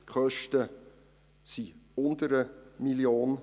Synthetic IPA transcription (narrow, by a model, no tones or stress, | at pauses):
χœʃtə | siʊnd̪əɾəmiljoːn